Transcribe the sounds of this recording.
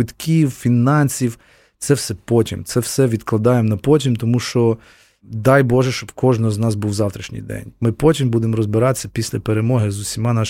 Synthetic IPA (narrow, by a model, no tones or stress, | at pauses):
ɪt̪kʲiwfʲinɑnʲsʲiw | t̪sɛwsɛpɔtʲḭmt̪sɛwsɛʋʲid̪klˠɐd̪ɑjemɔnɐpɔtʲimt̪ɔmuʃt͡ʃɔ | d̪ɑjbɔʒɛʃt͡ʃɔb̥kɔʒnɔznɑzbuwzɑwt̪ɾʲiʃnʲḭjd̪ɛ̰nʲmɪpɔtʲimbud̪emɔɾɔzbɪɾɑt̪esʲːɐpʲisʲlʲɐpeɾemɔɦɪzʊsʲimɑnɑ